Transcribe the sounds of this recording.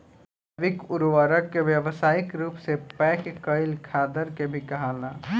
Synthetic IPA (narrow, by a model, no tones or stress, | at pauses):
ʋɪkʊɾʋəɾəkkːeʋjəʋsaːɪkɾuːpsepɛːkkəɪlkʰaːd̪əɾkebʱikɐɦaːlaː